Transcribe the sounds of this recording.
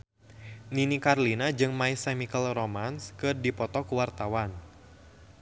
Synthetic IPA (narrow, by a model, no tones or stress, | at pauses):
ninikarlinad͡ʒɨŋmaisɛmikəlromanskɨrdipɔt̪ɔkuwart̪awan